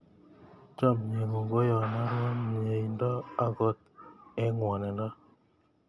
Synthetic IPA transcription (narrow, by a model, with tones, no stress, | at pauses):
t͡ʃɔ˦˨m˨ɲe˨ŋu˨ŋɡo˦jɔ˨na˦ɾwɔ˦m˨e˨i˨ndɔ˦a˦ɡɔ˦t̚ɛ˨˦ŋwɔ˨nɛ˨ndɔ˦